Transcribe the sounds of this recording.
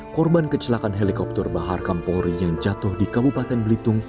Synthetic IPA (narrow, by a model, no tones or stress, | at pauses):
kɔrbankət͡ʃəlakanɦelikɔp̚t̪ərbaɦarkampɔɾijaŋd͡ʒat̪ʊhdikabupat̪ɛnblit̪ʊŋ